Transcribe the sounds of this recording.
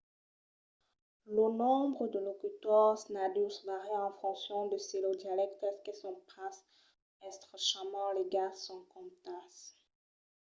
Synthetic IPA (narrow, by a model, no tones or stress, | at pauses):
lənɔ̃bʁəd̪əlokyt̪ɔʁsnad̪usvaʁiɑ̃fɔ̃ksjɔ̃d̪əselod̪jalɛkt̪ɛskesɔ̃pas | ɛst̪χəʃamɑ̃leɡasɑ̃kɔ̃mt̪as